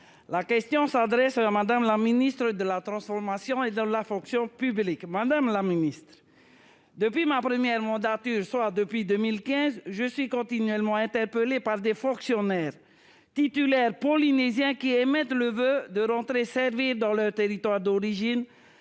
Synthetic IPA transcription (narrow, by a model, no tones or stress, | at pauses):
lakʲɛst̪jɔ̃sad̪ʁɛsamad̪amlaminist̪χəd̪əlat̪ʁɑ̃sfɔʁmasjɔ̃ed̪əlafɔ̃ksjɔ̃pyblikmad̪amlaminist̪ʁ | d̪əpɥimapʁəmjɛʁmɑ̃d̪at̪yʁswad̪əpɥid̪ømilkɛ̃zʒəsɥikɔ̃t̪inɥɛlmɑ̃ɛ̃t̪ɛʁpəlepaʁd̪efɔ̃ksjɔnɛːʁ | t̪it̪ylɛʁpɔlinezjɛ̃kiemɛt̪ləvød̪əʁɑ̃t̪χesɛʁviʁd̪ɑ̃lœʁt̪eʁit̪waʁd̪ɔʁiʒin